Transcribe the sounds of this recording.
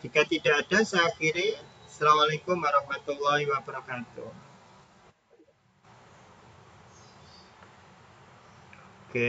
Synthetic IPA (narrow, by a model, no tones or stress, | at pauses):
d͡ʒ̥ikat̪iɖaaɖasaakiɾesalamalekʊmwaɾɑhmat̪ulːɑhiwabəɾakat̪ṵ | oke